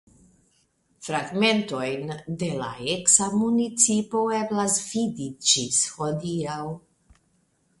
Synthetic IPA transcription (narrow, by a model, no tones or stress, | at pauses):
fɾaɡme̞nt̪o̞jnd̪e̞la̰eksamunit͡sipo̞eblasvid̪id͡ʒishod̪iaw